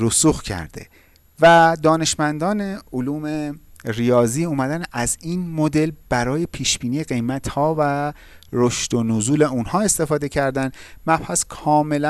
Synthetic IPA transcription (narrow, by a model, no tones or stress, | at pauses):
ɾusuːxcʰæ̰ɾd̪̥e̞̰ | væd̪ɒːne̞ʃmænd̪ɒːne̞oluːme̞rijɒːziːuːmæd̪ænæziːnmo̞d̪e̞lb̥æɾɒːje̞pʰiːʃb̥iːniːjeɡe̞jmæt̪hɒːvæ | ɾoʃt̪onuzuːle̞unhɒːe̞st̪e̞fɒːd̪e̞cʰæɾd̪ænd̪mæb̥hæskʰɒːme̞læ